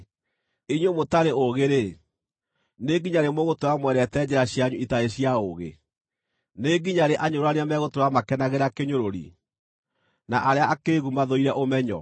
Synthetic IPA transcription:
eɲwomotaɾeoɣeɾe | neɡiɲaɾemoɣotoamwɛɾɛtɛd͡ʑɛɾaɕjaɲuitaeɕiaoɣḛ | neɡiɲaɾeʔaɲoɾoaneamɛɣotoɾamakɛnaɣeɾakeɲoɾoɾḭ | naʔaɾeaakeɣumaðɔiɾɛʔomɛɲɔ̰

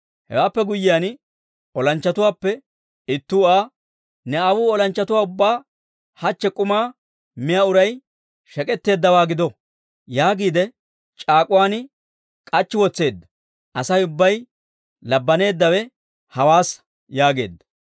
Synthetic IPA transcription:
hɛ̰waːpːɛɡʊjːɪjaːn | ɔlɐnt͡ʃːɐt̪ʊwaːpːɛ | ɪt̪ːuːaː | nɛawuːɔlɐnt͡ʃːɐt̪ʊwaːʊbːaː | hɐt͡ʃːɛkʼʊmaː | mɪjaʊɾɐj | ʃɛkʼɛt̪ːe̞ːd̪ːɐwaːɡɪd̪ɔ | jaːɡiːd̪ɛ | t͡ʃʼaːkʼʊwaːn | kʼɐt͡ʃːɪwɔt͡sːe̞ːd̪ːɐ̥ | ʔɐsɐjʊbːɐj | lɐbːɐne̞ːd̪ːɐwɛ | hɐwaːs | jaːɡe̞̰ːd̪ːɐ̥

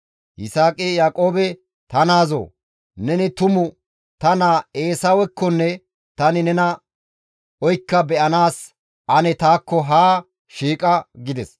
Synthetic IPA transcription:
ʔɪsaːkʼɪjaːkʼo̞ːbɛ | t̪ɐnaːzo̰ː | nɛnɪt̪ʊmʊ | t̪ɐnaːe̞ːsawɛkːɔnːɛ | t̪ɐnɪnɛnɐ | ɔjkːɐbɛʔɐnaːs | ʔɐnɛt̪aːkːɔɦaː | ʃiːkʼɐɡɪd̪ɛs

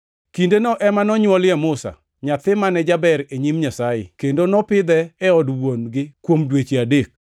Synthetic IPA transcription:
kindenɔʔɛmanɔɲwɔljɛmʊsa̰ | ɲat̪ɪmanɛd͡ʒabɛɾeɲimɲasajɪ̰kendonɔpɪd̪ɛːɔdwonɡɪkwomdwet͡ʃiadek̚

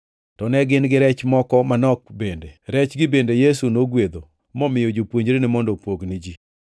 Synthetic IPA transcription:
tɔnɛɡɪnɡɪɾɛt͡ʃmɔkɔmanɔk̚bendeɾɛt͡ʃɡɪbendejesunoɡwed̪o | mɔmɪjod͡ʒopwoɲd͡ʒɾenɪmɔndɔpwoɡnɪd͡ʒi

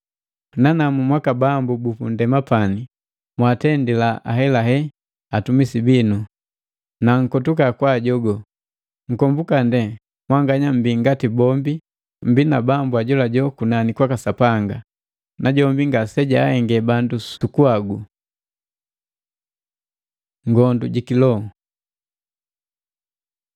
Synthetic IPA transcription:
nanamumwakabambubupundɛmapani | mwatɛndilaʔa̰ɦɛlaɦɛ | atumisibinu | naŋ̩kɔtukakwaɟɔɡɔ | ŋ̩kɔmbukandɛ | mwaŋɡaɲam̩biŋɡatibɔmbi | m̩binabambuaɟɔlaɟɔkunanikwakasapaŋɡa | naɟɔmbiŋɡasɛɟaːhɛŋɡɛbandussukuaɡu | ŋɡɔndṵɟikilɔ

